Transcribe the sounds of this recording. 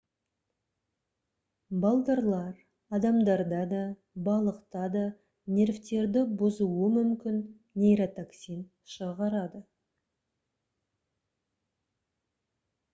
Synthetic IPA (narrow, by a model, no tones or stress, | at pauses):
bɑlˠd̪ɑɾlˠɑɾ | ɑd̪ɑmd̪ɑɾd̪ɑd̪ɑ | bɑlˠəqt̪ɑd̪ɑ | nʲe̞ɾvt̪e̞ɾd̪ɪbʊzuwəmʏmkʲɪnːʲ | ejɾat̪aksijn | ʃəʁɑɾɑd̪ə